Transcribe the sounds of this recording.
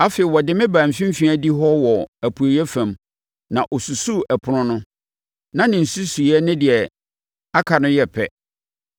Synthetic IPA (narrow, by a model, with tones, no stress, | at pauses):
a˦fe˨ɪ˨wɔ˨dɪ˦mɪ̃˦bãː˨m̩˨fĩ˦m̩˦fĩ˦æ˦di˦ɦɔ˦wɔ˨æ˨pʰu˨jɛ˦fã˨m | nã˨ʔɔ˨su˨su˦ʔæ˨pʰʊ˨ɾʊ̃˦nʊ̃˦ | nã˦nɪ̃˨n̩˨su˦su˨˦ɛ˦nɪ̃˦dɪ˨ɛ˨ | a˦kʰa˨nʊ̃˦jɛ˦pʰɛ˦